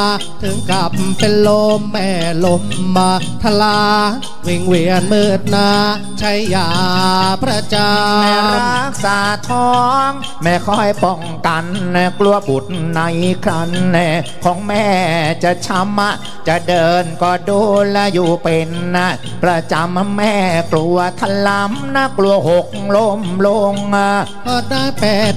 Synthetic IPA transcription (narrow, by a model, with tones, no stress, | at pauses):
t̪ʰɯ˨˩˦ŋka˨˩p̚pe˧nlo˧mːɛː˧˩lo˧˥mːaː˧ | t̪ʰa˧laː˧ | wi˨˧˩ŋwi˨˧˩ənmɯː˧˩t̪̚naː˧˥ | t͡ɕʰa˧˥jːaː˨˩pʰɾa˧t͡ɕaː˧mɛ˧˩ɾaː˦˧˥k̚saː˨˦t̪ʰɔː˦˥ŋ | mɛː˧˩kʰɔ˧˥˩jpɔ˧˩ŋka˧nna˧klu˧əbu˨˩t̪̚na˧jkʰɾa˧nːa˧˩kʰɔː˨˦ŋmɛː˥˩t͡ɕa˨˩t͡ɕʰa˧˦mʔa˧˩ | t͡ɕa˨˩dɤː˧nkɔː˧˩duː˧la˧˥juː˨˧˩pe˧nːa˦˧˥ | pɾa˧t͡ɕa˧maː˧ɛː˧˩klu˧ɐt̪ʰa˧˩la˧˥mna˧˥klu˧ɐɦo˨˩k̚lo˧˩mlo˧ŋa˧˩ | kɔː˧˩daː˥˩jpɛː˨˩t̪̚